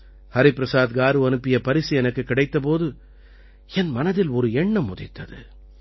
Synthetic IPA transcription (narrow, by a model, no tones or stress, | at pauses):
hɐɾɪpɾɐsaːd̪ɡaːɾɯɐnɯpːɪjɐpɐɾɪsiɛnɐkːɯkːɪɽɐɪt̪ːɐp̬oːðɯ | ɛnmɐnɐðɪlɔɾɯɛɳːɐmːʊðɪt̪ːɐðɯ̰